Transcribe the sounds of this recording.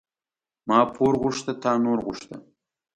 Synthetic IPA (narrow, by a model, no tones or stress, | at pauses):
mɑːpʰoɾʁʊʂt̪ət̪ʰɑːnoɾʁʊʃt̪ə̰